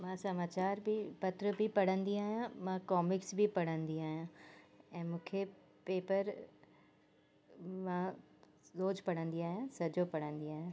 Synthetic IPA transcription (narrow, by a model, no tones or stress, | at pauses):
mãːsɐmaːt͡ɕaːɾbʱipɐt̪ɾəbʱipɐɽə̃nd̪iaːɦjãmãːkɔːmɪksbʱipɐɽə̃nd̪iaːɦijãːɛ̃ːmũːkʰe | peːpəɾ | mãː | soːd͡ʑpɐɽ̤ə̃nd̪iaːjãsɐd͡ʑopɐɽ̤ə̃nd̪iaːɦjã